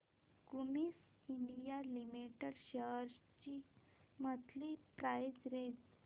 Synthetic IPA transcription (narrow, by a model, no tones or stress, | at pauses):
kumis | iɳɖijalimiʈəɾɕəɦɾst͡ɕi | mət̪ʰlipɾajd͡zɾed͡z